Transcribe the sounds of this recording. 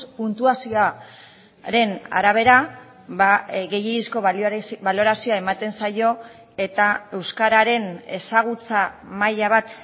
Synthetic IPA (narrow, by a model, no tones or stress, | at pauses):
punt̪uasia | ɾe̞na̰ɾaβ̞e̞ɾa | βaɣe̞jeisko̞ββalo̞ɾasioae̞mat̪e̞nsajo̞ | e̞t̪ae̞wskaɾaɾe̞ne̞saɣ̞ut͡samajaβ̞at̪